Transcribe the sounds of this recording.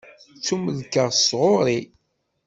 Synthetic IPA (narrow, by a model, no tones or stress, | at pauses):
t͡sːuməlkːəʁsʁʊɾi